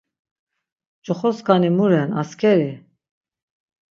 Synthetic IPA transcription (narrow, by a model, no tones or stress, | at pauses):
d͡ʒʼɔχɔskanimuɾɛna̰skʰɛɾi